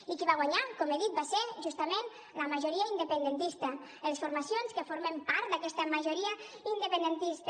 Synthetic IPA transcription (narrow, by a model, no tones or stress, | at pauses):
ikiβaɣwaɲakɔmeðit̪̚baseɾʒust̪əmen | ləmaʒoɾiaind̪əpənd̪ent̪ist̪ə | əlsfoɾmasjonskəfoɾmempaɾt̪̚d̪akɛst̪əmaʒoɾiə | ind̪əpənd̪ənt̪ist̪